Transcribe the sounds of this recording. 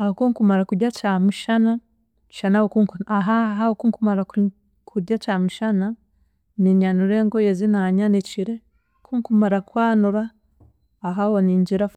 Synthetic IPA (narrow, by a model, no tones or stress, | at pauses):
aokuŋkumaɾakuɾjacamuʃanḁ | ʃanawokukaɦaɦaokuːŋkumaɾak | kʰuɾjacamiʃana | niɲanuɾeŋɡojezinaɲaniciɾe | kʰuŋkumaɾakwaːnuɾaː | ɦawoniɲɟiɾa